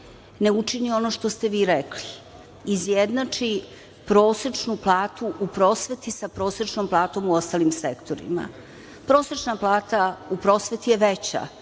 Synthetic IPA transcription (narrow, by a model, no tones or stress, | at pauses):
ne̞ut͡ʂinio̞no̞ʃt̪o̞st̪e̞ʋiːɾekliː | zjed̪nat͡ʂi | pɾo̞ːsɾet͡ʂnuplˠaːt̪uʔupɾo̞ːsʋe̞t̪isapɾo̞ːsɾet͡ʂno̞mplˠaːt̪o̞muo̞st̪alimsekt̪o̞ɾḭma̰ | pɾo̞ːsɾet͡ʃnaplˠaːt̪aupɾo̞ːsʋe̞t̪ijeʋet͡ɕa̰